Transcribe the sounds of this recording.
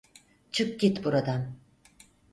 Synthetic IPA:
t͡ʃʰɯk̚ɟit̪buɾad̪am

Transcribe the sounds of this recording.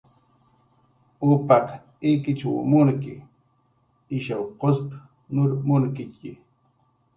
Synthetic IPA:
upɑq | ikɪt͡ʃawmʊŋkɪ̰ | ɪʃawqosp | nʊɾmʊŋkɪki

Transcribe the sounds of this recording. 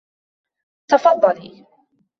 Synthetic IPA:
t̪ɑfɑd̪ˤːɑliː

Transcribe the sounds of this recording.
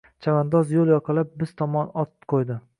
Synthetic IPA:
t͡ʃʰavand̪ɒzjolˠjɒqʰɨlˠap̚bɪz̥t̪ʰɒmɒnɒt̪qʰojd̪ɪ

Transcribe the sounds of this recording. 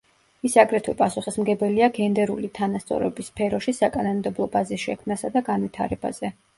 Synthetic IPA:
isaɡɾɛt̪ʰwilpʼasuχismɡɛbɛliaɡɛnd̪ɛɾṵlit̪ʰanast̪sʼɔ̰ɾɛbisːpʰɛɾɔʃisakʼanɔnd̪ɛblˠɔbazisʃɛkʰmnasad̪aɡanvit̪ʰa̰ɾɛba̰z̥ɛ

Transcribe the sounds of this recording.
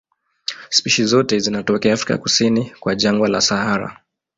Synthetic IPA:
spiʃizɔtɛzinatɔkɛafɾika̰kusinikwaʄaŋɡwala̰sahaɾa̰

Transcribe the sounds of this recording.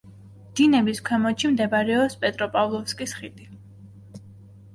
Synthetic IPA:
d̪̥inɛbiskʰwɛmɔt͡ʃʰimd̪ɛbaɾɛɔspʼɛt̪ʼɾɔpʼavlˠɔfskʼisχid̪i

